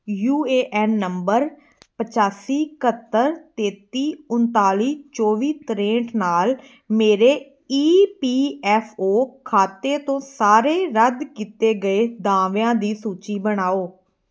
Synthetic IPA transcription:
juːeːʔɛːnːəmbəɾ | pət͡ʃaːsiːkət̪ːəɾt̪eːt̪iːʊnt̪aːliːt͡ʃɔːʋiːt̪əɾẽːɳʈnaːl | meːɾeː | iːpiːɛːfʰoːkʰaːt̪eːt̪õːsaːɾeːɾəd̪kiːt̪eːɡəeːd̪ãːʋãːd̪iːsuːt͡ʃiːbəɽaːoː

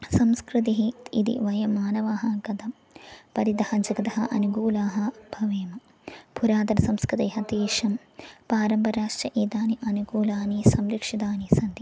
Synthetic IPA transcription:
sɐmskɾit̪iɦiḭd̪ḭʋɐjɐmaːnɐʋaːɦɐɡɐd̪ɐm | pɐɾid̪ɐhɐd͡ʒɐɡɐt̪ɐɦɐʔɐnuɡuːlaːɦɐbʱɐʋeːmɐ | bʱuɾaːd̪ɐɾsɐmskɾɨt̪eːɦɐt̪iːʂɐm | paːɾɐmbɐɾaːʂʈɾɐʔiːd̪aːniʔɐnuɡuːlaːnisɐmɾikʂid̪aːnisɐnd̪i

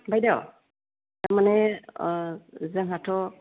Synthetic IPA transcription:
bajdaw | taɹmanɛ | zɛŋɦatʰɔ

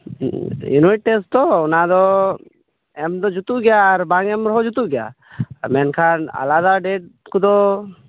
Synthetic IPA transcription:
jṵnwiʈ̚ʈɛst̪ɔɔnad̪ɔ | ɛmd̪ɔd͡ʒut̪uʔɡɛjaːɾbaŋɛmɾɔɦɔd͡ʒut̪uʔɡɛja̰ | mɛnkʰana̰lad̪aɖɛʈ̚kud̪ɔ

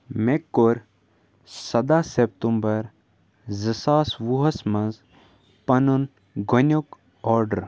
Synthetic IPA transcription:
mekːoɾ | sɐd̪aːsep̚t̪umbɐɾ | zəsaːsʋuɦɐsmɐnz | pɐnun | ɡʱonʲok | ɔːɾɖəɾ

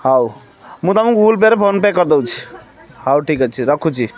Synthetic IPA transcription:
ɦau | mut̪amũkulp̬eɾepʰonpekəɾd̪əwt͡ʃʰi̥ | ɦauʈʰikat͡ʃʰiɾəkʰut͡ʃʰi

